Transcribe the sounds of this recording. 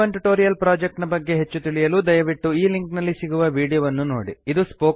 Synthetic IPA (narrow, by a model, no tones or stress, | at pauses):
ɐɳʈuʈoːɾijɐlpɾaːd͡ʒek̚ʈnɐbɐɡːe̞ɦe̞t͡ʃːut̪iɭijɐluːd̪ɐjɐʋiʈːuiːliŋknɐlːisiɡuʋɐʋiːɽijɐʋɐnːunoːɽḭid̪uspoː